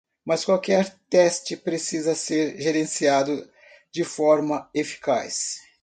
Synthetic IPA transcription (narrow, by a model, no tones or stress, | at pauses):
mɐskwawkɛɾt̪ɛst͡ʃɪpɾesizɐseɾʒeɾẽsiad̪ʊ | d͡ʒɪfɔɾmɐefi̥kajs